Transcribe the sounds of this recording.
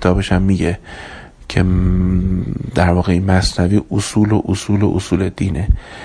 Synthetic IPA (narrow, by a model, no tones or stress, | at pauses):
et̪ɒːbe̞ʃæmːiːɟe | cʰe̞̰ | d̪æɾvɒːɣeinmæsnæviːʔosuːloʔosuːlo̰ʔosuːle̞d̪iːne̞